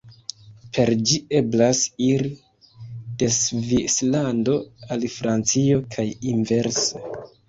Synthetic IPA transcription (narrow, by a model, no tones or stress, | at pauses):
pʰe̞ɾd͡ʒie̞blasiɾi | d̥e̞svislando̞alfɾant͡sio̞kʰajinve̞ɾse